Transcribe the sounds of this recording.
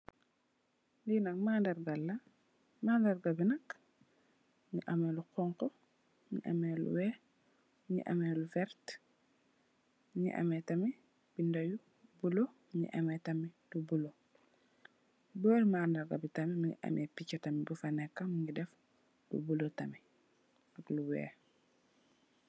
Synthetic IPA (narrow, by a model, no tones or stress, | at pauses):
ninɐk̚maːndɐɾɡalːɐ | maːndɐɾɡɐbinɐk | ɲiʔɐmeluqɔŋko | ɲḭʔa̰melṵwɛ | miɲḭʔa̰meluvɛɾt | miɲḭʔɐ̰metɐmi | bindɐju | bulo | ɲḭʔɐmɛtɐmidubulo | bɔːlmaːndɐɾɡɐbitɐmimiɲḭʔɐ̰mʔɛpicːɐtɐmibufɐnɛkːɐmiɲidɛf | dṵbulotɐmi | ɐkluwɛ̰ː